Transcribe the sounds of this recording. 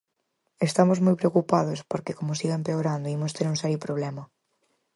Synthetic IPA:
est̪amozmojpɾeokupaðospoɾkekomosiɣaempeoɾand̪oimost̪eɾũŋsɛɾjopɾoβ̞lɛmɐ

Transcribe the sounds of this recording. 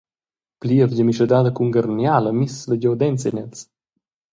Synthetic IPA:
pliəvɟəmiʃəd̪aːd̪əkuŋɡarnjaːləmisləɟɔwd̪ɛnt͡siɲɛt͡s

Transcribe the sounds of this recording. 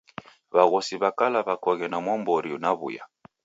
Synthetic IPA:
βaɣɔsiβakalaβakɔɣɛnamwɔmbɔɾiunaβṵja̰

